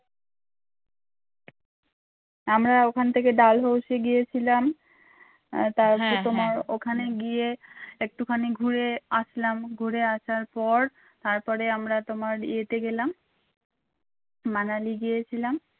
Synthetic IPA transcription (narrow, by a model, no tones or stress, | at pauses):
amɾaokʰant̪ʰek̬eɖalɦowʃieɡijet͡ɕʰilam | t̪aɾpɔɾt̪omaɾokʰaneɡijeek̚ʈukʰaniɡʱuɾeasʰlamɡʱuɾeaʃaɾpɔɾ | t̪aɾpɔɾeamɾat̪omaɾḭet̪eɡelam | analiɡijet͡ɕʰilam